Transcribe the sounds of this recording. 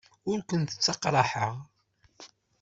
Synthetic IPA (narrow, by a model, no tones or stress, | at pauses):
ʊɾkʷənt̪ə̥t͡sːɑqɾˤɑħəʁ